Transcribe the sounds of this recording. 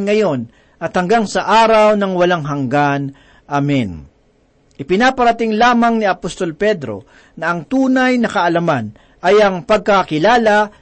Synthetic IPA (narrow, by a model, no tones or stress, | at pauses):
ŋɐjo̞n | ʔɐt̪hɐŋɡaŋsɐʔaːɾɐwnɐŋwɐlaŋɦɐŋɡan | ʔamɛn | ʔɪpɪnaːpɐɾɐt̪ɪŋlaːmɐŋniɐpost̪o̞lpɛd̪ɾo̞̰ | nɐɐŋt̪uːnɐjnɐkɐʔɐlɐman | ʔɐjɐŋpɐɡ̚kɐkɪlaːlɐ